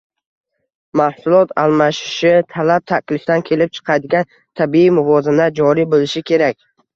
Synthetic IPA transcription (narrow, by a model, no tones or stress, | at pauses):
mahsʊlˠɒt̪ʰalˠmaʃɪ̥ʃɪt̪ʰalap̚t̪ʰakʲlɪfd̪ankʲʰe̞lɪp̚t͡ʃʰɨ̥qʰɑjd̪ɪɡʲan | t̪ʰabiimʊvɒzɪnad͡ʒɒɾibolɪʃɪkʲʰe̞ɾakʲ